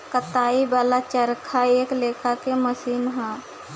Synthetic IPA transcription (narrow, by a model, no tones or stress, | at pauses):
kət̪aːibaːlat͡ʃəɾkʰaeːkleːkʰakeməsiːnɦɛ̃ː